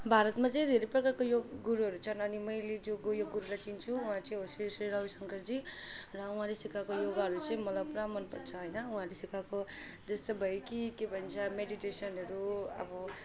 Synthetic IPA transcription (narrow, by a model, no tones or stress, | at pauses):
bʱaɾʌt̪mat͡sʌ̃ĩd̪ʱeɾejprʌkarkojoɡɡuɾuɦʌɾut͡sʰʌnʌnimʌjled͡zoɡojoɡuɾulajt͡sint͡sʰuũɦãt͡sʌĩɦosisiɾʌusʌŋkʌɾd͡zirʌũɦãlesikakojoɡaɦʌɾut͡sʌĩmʌlʌpɾamʌnpʌrt͡sʰʌɦʌjnʌũɦãlesikakod͡zʌst̪obʱʌjkikebʱʌnt͡sʰʌmeɽiʈesʌnɦʌɾuʌ̰bʌ